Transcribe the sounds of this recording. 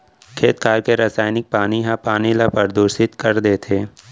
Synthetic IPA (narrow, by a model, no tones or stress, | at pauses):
kʰeːt̪kʰaːɾkeɾasaːjnɪk̚paːniɦãpaːnilapɐɾd̪oːɾsɪt̪kɐɾd̪eːt̪ʰeː